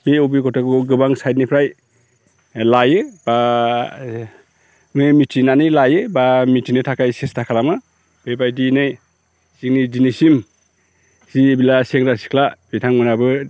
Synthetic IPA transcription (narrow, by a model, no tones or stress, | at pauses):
beobiɡɔtʰakuɡɯbaŋsajd̚nipʰɾaj | lajɯba | ŋɯmitʰinanɯjlajɯbamitʰinɯtʰakʰajsestʰakʰalamɯ | b̥ebajdinɯj | siŋnidinisim | sibilaseŋɾasi̥kʰlabitʰaŋmɯnabɯ